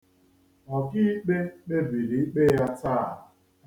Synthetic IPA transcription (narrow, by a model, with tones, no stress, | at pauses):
ɔ˨ki˦i˦k͡pe˦k͡pe˦bi˨ɾi˨i˦k͡pe˦ja˦ta˦˨